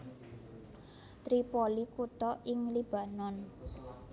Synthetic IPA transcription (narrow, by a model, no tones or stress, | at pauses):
t̪ɾipɔlikut̪ɔʔɪŋlib̥ä̤nɔn